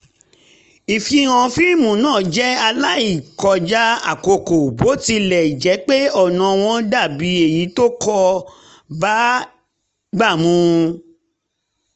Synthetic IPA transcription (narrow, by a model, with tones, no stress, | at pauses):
i˨fi˧˦ɾ̃ã˧fi˦˨mũ˨˦nãː˦˨d͡ʒɛ˦a˧la˦i˦˨kɔ˧d͡ʒa˦a̰˨ko˧ko˨bo˨˦ti˧lɛ˨i˨d͡ʒɛ˨˦k͡pe˦ɔ˦˨nã˧w̃ɔ̃˧˦da˦˨bi˨˦e˨ji˨˦to˦kɔ˦˧ | ba˨˦ | ɡ͡ba˦˨mũ˨˧